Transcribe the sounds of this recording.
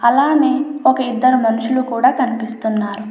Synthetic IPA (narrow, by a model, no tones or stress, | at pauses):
ɐlaːneːɔkɐid̪ːɐɾumɐnuʂulukuːɽaːkɐnipist̪unːaːɾu